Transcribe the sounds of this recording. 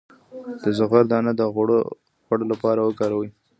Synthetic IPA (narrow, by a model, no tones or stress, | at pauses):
d̪̥əzʊɣaɾd̪ɑnad̪əɣɽ | ɣwaɽolapɑɾawəkɑɾawi